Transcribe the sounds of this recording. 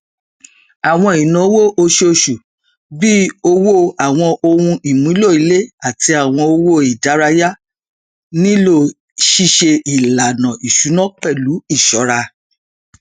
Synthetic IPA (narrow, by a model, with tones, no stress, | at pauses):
a˨w̃ɔ̃˧i˨nã˨˦wo˦˨ʔo˧ʃe˧o˧ʃu˨ | bi˦o˧wo˦a˨w̃ɔ̃˧o˧wũ˧i˨mũ˨˦lo˦˨i˨˦le˦a˨ti˧a˨w̃ɔ̃˧o˧wo˦˨i˨da˨˦ɾa˧ja˦ | nĩ˦lo˦˧˨ | ʃi˦ʃe˧i˨la˨nã˨i˨ʃu˨˦nɔ̃˦k͡pɛ˦˨lu˨˦i˦˨ʃɔ˨˦ɾa˧